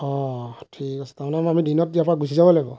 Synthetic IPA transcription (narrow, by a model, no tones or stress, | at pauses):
ɔ̃tʰikasɛ̥tamɔnɛamamidinɔt̚diapɔɹaɡusizabɔlajbɔ